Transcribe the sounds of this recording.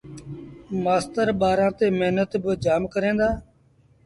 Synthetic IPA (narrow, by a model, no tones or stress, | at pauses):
maːst̪əɾɓaːɾãːt̪eːmeɦnət̪bɪd͡ʒaːmkəɾẽːnd̪aː